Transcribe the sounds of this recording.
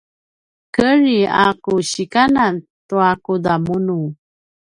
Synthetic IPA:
kəɾia̰kuɕikanant̪uakudamunu

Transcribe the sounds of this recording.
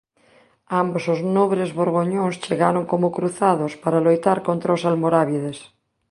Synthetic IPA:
ambosoznoβɾezβoɾɣoɲõŋst͡ʃeɣaɾoŋkomokɾuθaðospaɾalojt̪aɾkont̪ɾaosalmoɾaβiðes

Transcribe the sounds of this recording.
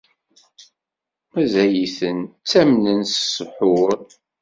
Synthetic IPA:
mæzæjiθənt͡sːæmnənsə̥səħʊɾ

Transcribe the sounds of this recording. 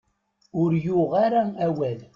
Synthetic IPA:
ʊɾjʊʁaɾææwæl

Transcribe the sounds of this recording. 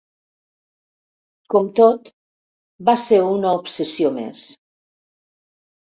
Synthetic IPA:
komt̪ot̪ | baseɾunəopsesiomḛs

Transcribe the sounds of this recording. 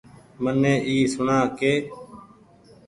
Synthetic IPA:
mənːẽːʔiːsʊɳaːkeː

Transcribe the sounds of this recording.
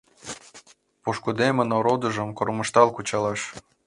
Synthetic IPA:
puʃkud̪emə̆noɾod̪ɤ̆ʒə̆mkormɤ̆ʃt̪ɑlkut͡ɕɑlɑʃ

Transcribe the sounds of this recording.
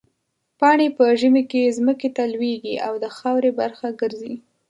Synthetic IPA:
pɑɳepəʒəmekezməket̪alweɡiʔa̰wd̪əxɑwɾebaɾxaɡəɾzi

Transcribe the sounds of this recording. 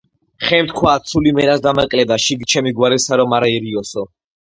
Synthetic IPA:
χɛmt̪kʰwaːt̪sʰulimɛɾasd̪amakʼlɛd̪aʃiɡt͡ʃʰɛmiɡwaɾɛsaɾɔmaɾaiɾiɔsɔ

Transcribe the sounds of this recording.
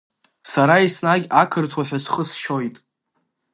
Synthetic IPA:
saɾaisnaɡʲakʰɨrtʰwaħʷᶣasχəsʃo̞jtʼ

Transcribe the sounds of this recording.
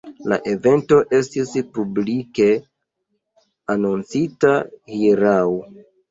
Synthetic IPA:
la̰ʔe̞ve̞nto̞ʔe̞stispublike̞ | anont͡sitahiɾaw

